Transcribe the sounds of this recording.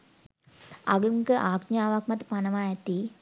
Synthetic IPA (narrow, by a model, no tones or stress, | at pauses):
a̰ɡəŋkəʔaːɡɲaːʋakmɐt̪panɐʋaːɛt̪i